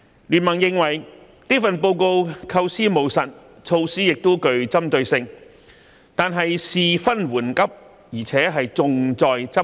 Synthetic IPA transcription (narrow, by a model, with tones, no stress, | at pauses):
lyː˨˩nmɐ˨˩ŋjɪ˨˧ŋwɐ˨˩j | niː˥fɐ˨npo˧wko˧wkʰɐ˧wsiː˥mo˨˩wsɐ˨t̚ | t͡sʰo˧wsiː˥jɪ˨k̚t̪o˥wkɵ˧ɥt͡sɐ˥mt̪ɵ˧ɥsɪ˧ŋ | t̪aː˨nɦɐ˨jsiː˨fɐ˥nwuː˨˩nkɐ˥p̚ | jiː˨˩t͡sʰɛː˨˥ɦɐ˨jt͡sʊ˨ŋt͡sɔː˨jt͡sɐ˥